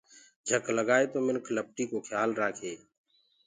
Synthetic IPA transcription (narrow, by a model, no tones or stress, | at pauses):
d͡ʒʱəkləɡaːet̪oːmɪnkʰləp̚ʈiːkoːkʰjaːlɾaːkʰeː